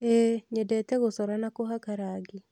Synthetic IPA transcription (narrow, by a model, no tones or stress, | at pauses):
eɲɛdɛtɛɣosɔɾanakoɦakaɾaɡi